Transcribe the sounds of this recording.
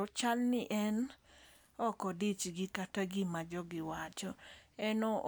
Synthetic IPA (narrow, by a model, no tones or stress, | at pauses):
t͡ʃalnɪʔɛn | ɔkɔdit͡ʃɡɪkataɡɪmad͡ʒɔɡɪwat͡ʃɔɛnɔ